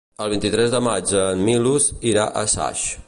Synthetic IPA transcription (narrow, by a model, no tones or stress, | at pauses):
əlˠβ̞int̪it̪ɾɛzðəmad͡ʒəmmːiluziɾaʔəsa̰ʃ